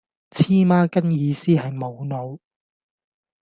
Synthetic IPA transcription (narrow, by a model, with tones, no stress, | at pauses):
t͡sʰiː˥maː˥kɐ˥njiː˨˧siː˥ɦɐ˨jmo˨˧wno˨˧w